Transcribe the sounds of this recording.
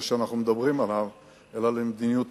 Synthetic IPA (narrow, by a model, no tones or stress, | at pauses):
ʃeanaχnumed̪abʁimalav | elalemed̪inijut̪